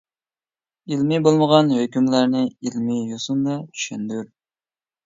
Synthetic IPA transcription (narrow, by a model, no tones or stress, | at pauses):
ilmɪbolˠməʁɑnhøkʲymlæɾnɪilmɪjosumd̪ɛt̪ʰy̥ʃɛnd̪yɾ